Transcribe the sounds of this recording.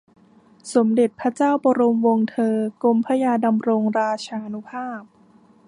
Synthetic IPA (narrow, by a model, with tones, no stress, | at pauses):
so˩˦mde˨˩t̪̚pʰɾa˦˥t͡ɕaː˥˩wbɔː˧ɾo˧mwo˧ŋt̪ʰɤː˧ko˧mpʰa˦˥jaː˧da˧mɾo˧ŋɾaː˧t͡ɕʰaː˧ʔnu˦˥pʰaː˥˩p̚